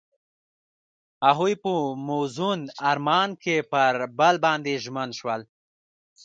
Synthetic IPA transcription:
aɦujpəmozunaɾmɑnkepəɾbalbɑnd̪eʒmənʃwəl

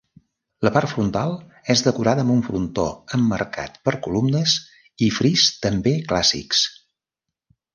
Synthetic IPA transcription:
ləpart̪fɾunt̪alˠ | ɛzðəkuɾaðəmbuɱfɾunt̪o̰əmːə̰rka̰t̪pəɾkulumnəs | ifɾist̪əmbeklasḭks

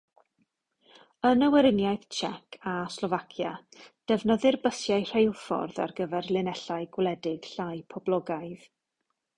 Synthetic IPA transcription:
ənəwɛɾɪnjaɨθt͡ʃʰɛkʰaslˠɔvakʰjad̥ɛvnəðɨrbəsjajr̥ejlˠfɔ̰rða̰rɡəvɛrlˠɪnɛɬaɨɡwlɛdɪɡ̥ɬajpʰɔblˠɔɡajð

